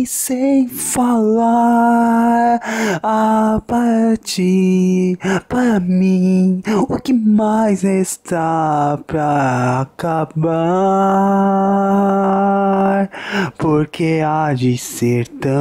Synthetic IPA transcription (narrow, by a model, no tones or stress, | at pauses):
sẽj̃fala | ɾapaɾt͡ʃi | paɾɐmĩʊkɪmajzest̪apɾaːkaba | ɾpoɾkead͡ʒɪseɾt̪ɐ̃